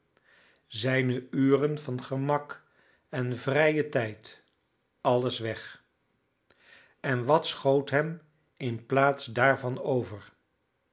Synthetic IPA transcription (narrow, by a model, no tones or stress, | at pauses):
zɛjnəyːrənvɑnχəmɑk | ɛnvrɛjətɛjt | ɑləsʋɛχ | ɛnʋɑtsχowtɦɛm | ɪnplaːtsdaːɹvɑnowvəɹ